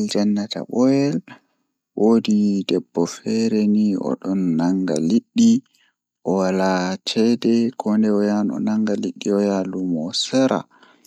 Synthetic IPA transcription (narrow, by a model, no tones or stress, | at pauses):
ld͡ʒanːata̰ɓɔjɛl | wʔodidɛbːɔfɛɾɛniɔ̰ɗɔnːaŋɡa̰liɗːi | ʔɔwalat͡ʃɛdɛkʰɔndɛɔjanɔ̰naŋɡaliɗːiɔjalumɔsɛɾa̰